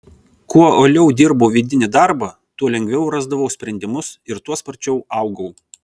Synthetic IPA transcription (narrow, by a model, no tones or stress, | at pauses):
kuɔoːlʲɛʊd̪ʲɪɾbɐʊʋʲiːd̪ʲɪnʲɪd̪ɑˑɾbɑˑ | t̪uɔlʲɛŋʲɡʲʋʲɛʊɾɑzd̪ɐʋɐʊsʲpʲɾʲɛnʲd̪ʲɪmʊsɪɾt̪uɔspɐɾʲt͡ʃʲɛʊɑˑʊɡɐʊ